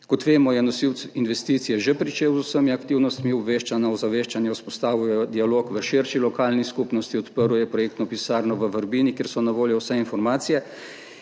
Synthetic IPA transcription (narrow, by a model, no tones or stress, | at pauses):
kɔt̪ʋeːmɔjɛnɔsiwt̪sinʋɛst̪iːt̪sijɛʒepɾit͡ʃeːwzusəmiakt̪iwnɔst̪miɔbʋeʃt͡ʃanaɔzaʋeːʃt͡ʃanjɛuspɔst̪aːʋujɔd̪ialoːkʋəʃeɾʃilɔkaːlniskupnɔst̪iɔt̪pəɾwjɛpɾɔjeːkt̪nɔpisaːɾnɔʋəʋəɾbiːnikeːɾsɔnaʋoːljɔwsɛinfɔɾmaːt̪sijɛ